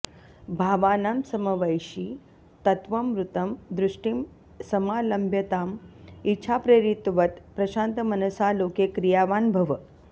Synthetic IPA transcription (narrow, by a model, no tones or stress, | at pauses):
bʱaːʋaːnamsɐmɐʋɐjʃi | t̪ɐt̪ʋɐmɾut̪ɐmd̪ɾuʂʈim | sɐmaːlɐmbʱjɐt̪aːmitːʃʰaːpɾeɾit̪ʋɐt̪pɾɐʃãːnt̪ɐmɐnɐsaːloːkekɾijaːʋaːnbʱɐʋɐ